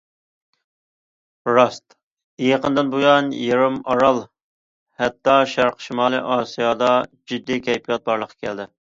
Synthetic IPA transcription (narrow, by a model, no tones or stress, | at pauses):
ɾɑst̪ | ijəqənd̪ɨnbujɑnjiɾɪmɑɾɑlˠ | hɛt̪ːɑʃæɾqʃimɑːlˠɨ̰ʔɑːsijɑd̪ɑd͡ʒyd̪ːɪkʲʰɛjpʰijɑt̪̚bɑɾlˠəqʰːɑ̥kʲʰɛld̪ɪ